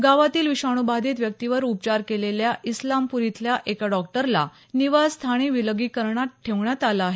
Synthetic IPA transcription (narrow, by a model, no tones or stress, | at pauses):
ɡaʋat̪iːlʋiɕaɽ̃ubad̪iːt̪ʋjək̚t̪iʋəɾup̚t͡ɕaɾkeleljaʔislampuɾit̪ljaʔekaɖɔk̚ʈəɾla̰ | niʋast̪ʰaɽ̃iʋiləɡiːkəɾɳat̪̚ʈʰːeʋɳjat̪alaːɦe